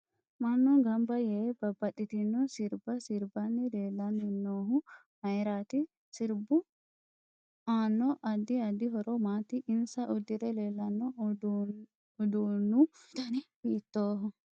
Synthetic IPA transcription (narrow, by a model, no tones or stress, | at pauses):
mɐnːɔɡɐmbɐjɛb̥ɐbːɐt̪ːɪt̪ɪnːɔsɪɾbɐsɪɾbɐnːɪleːlːɐnːɪnːoːɦʊ | mɐjɾaːt̪ɪ | sɪɾbʊ | aːnːɔʔɐd̪ːɪɐd̪ɪɦɔɾɔmaːt̪ːɪʔːnsɐʔɔd̪ːɪɾɛleːlːɐnːɔd̪ | d̪uːnːʊt̪ɐnɪbiːt̪ːoːɦɔ